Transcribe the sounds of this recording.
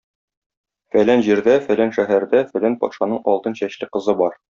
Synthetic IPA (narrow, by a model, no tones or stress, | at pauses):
fælænʑiɾd̪æfælænʃæɦæɾd̪æfælænpɒ̰t̪ʃɑnɤɴɒ̰lˠt̪ɤnɕæɕlɘqɤ̆zɤbɒɾ